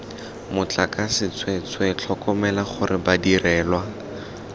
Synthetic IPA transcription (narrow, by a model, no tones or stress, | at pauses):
mʊt͡ɬakasɪt͡sʰwet͡swɛt͡ɬʰɔkɔmɛlaχʊrɪbadirɛːlwa